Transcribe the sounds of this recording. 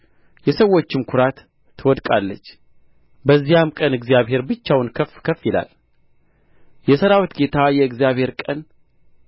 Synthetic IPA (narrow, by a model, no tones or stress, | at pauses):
jɛsəwo̞t͡ʃːɪmkʰʊɾat̪ʰː | ɨwɔd̪kʼalːə̰t͡ʃː | bəzːijamkʼənɨɡzjaβɦe̞ɾbɨt͡ʃːawnkʰəfkʰəfːjɪla̰l | jɛsəɾawit̪ɡe̞t̪ʰajɛɨɡzijaβhe̞ɾkʼən